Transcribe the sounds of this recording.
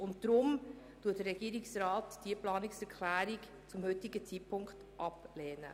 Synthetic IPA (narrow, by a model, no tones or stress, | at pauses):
ʊntd̥ɾʊm | tuətdəɾɛɡiəɾɪksrɑːtd̥iəplɑːnɪksɛɾkʰlæːɾik | t͡sʊmhʏtɪɡət͡sipʰʊŋkt | ʔɑplɛːnə̰